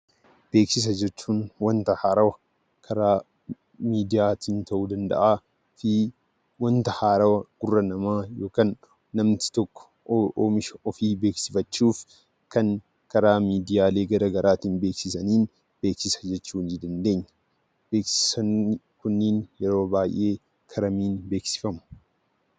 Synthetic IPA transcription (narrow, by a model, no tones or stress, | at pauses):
b̥e̞ːksɪs̬ɐd͡ʒɛt͡ʃːuːnwɐnt̪ɐhaːɾɐwɐ | kʰɐɾaː | miːd̪ɪjaːt̪iːnt̪ɐʔuːd̪ɐnd̪ɐ̰ʔaː | fiː | wɐnt̪ɐhaːɾɐwɐɡ̥ʊrːɐnɐmaːjoːkaːnː | ɐmt̪ɪ̥t̪ɔkːɔ̥ | mɪʃɔfiːbe̞ːksɪfɐt͡ʃːuːf | kɐŋ | kɐɾaːmiːd̪ɪjaːle̞ːɡɐɾɐɡɐɾʔaːt̪iːnbeːksɪsɐniːn | be̞ːksɪsɐ̥d͡ʒɛt͡ʃːuːnd͡ʒɪd̪ɐnd̪e̞ːɲːɐ̥ | b̥eːksɪ̥sɐn | kʊnːɪnjɛɾo̞ːbaːjʔe̞ː | kʰɐɾɐmiːnbe̞ːksɪ̥fɐmʊ̥